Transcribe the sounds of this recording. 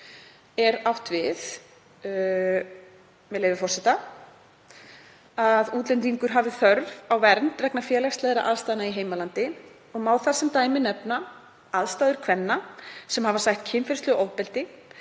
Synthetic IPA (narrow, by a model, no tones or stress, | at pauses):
ɛɾawht̪vɪð | mɛðleːjvɪfɔrsɛt̪a | aðuːt̪lɛnt̪̬iŋkʏɾ̥ɦaːvɪθœɾvawvɛɾnt̪vɛknafjɛːlɛxst̪ɛːðɾa̰ʔaðst̪ajðnaiɦeːjmalant̪ɪ | ɔɣmaːwθar̥sɛmt̪aːjmɪnɛpna | aðst̪aːðʏɾ̥kʰvɛnːasɛmhavasaçt̪̚cʰɪnfɪɾst̪lʏʔowpɛlt̪ɪ